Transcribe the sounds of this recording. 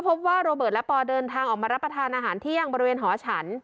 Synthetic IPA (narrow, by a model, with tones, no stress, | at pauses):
pʰo˦˥p̚waː˥˩ɾoː˧bɤː˨˩lpɔː˧dɤː˧nt̪ʰaː˧ŋʔɔː˨˩k̚maː˧ɾa˦˥pːɾa˧t̪ʰaː˧nʔaː˧ɦaː˩˦nt̪ʰi˥˩ə˨˩ŋbɔː˧ɾi˦weː˧nɦɔː˩˦t͡ɕʰa˦˥n